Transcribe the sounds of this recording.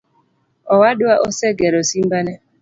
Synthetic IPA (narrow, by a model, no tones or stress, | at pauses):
ɔwadʊaʔɔsɛɡɛɾosim̩banɛ